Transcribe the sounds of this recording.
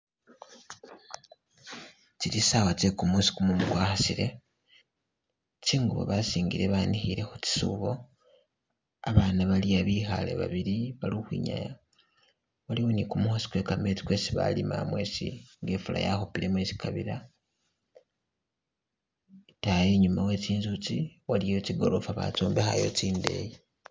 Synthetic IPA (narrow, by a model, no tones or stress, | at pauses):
t͡ʃiɾisawat͡ʃekumusi̥kumumukwaːxasiɾe̞ | t͡ʃiːŋɡuβo̰βasiːŋɡiɾeβanixiɾe̞xut͡ʃi̥sṵβo̞ | aβaːnaβaliaβixa̰le̞̰βa̰βiɾiβaluxwḭɲa̰ja | waliwo̞nikumuhosi̥kwe̞kame̞t͡si̥kwe̞ːsiβa̰lima̰mwe̞sḭŋɡe̞ːfula̰jaxopiɾe̞mwesi̥kaβiɾa | taje̞ɲumawe̞ːciːnzut͡siwalijo̞ciɡo̞ɾo̞faβa̰t͡soːmbexa̰jo̞̰t͡ʃiːnde̞̰ːji